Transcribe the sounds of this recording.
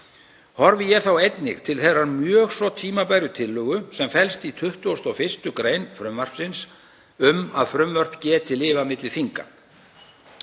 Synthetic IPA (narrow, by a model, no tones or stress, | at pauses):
hɔɾvɪjɛθawejt̪nɪ̰ɣt̪ʰɪlθejrːaɾmjœːɣsvɔt̪ʰiːmapajɾʏt̪ʰɪlːʏːɣʏsɛmfɛlst̪it̪ʰʏht̪ʏɔst̪ɔwfɪrst̪ʏkɾeːjnfɾʏmvar̥psɪns | ʏmaðfɾʏmvœr̥pcɛːt̪ʰɪlːɪːvamɪt̪lɪfiŋka̰